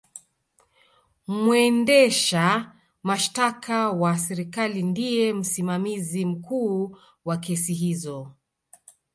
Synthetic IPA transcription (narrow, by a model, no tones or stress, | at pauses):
mwɛndɛʃa | maʃtakʰawasɛɾikalindijɛm̩simamizim̩kuː | wakɛsiɦizɔ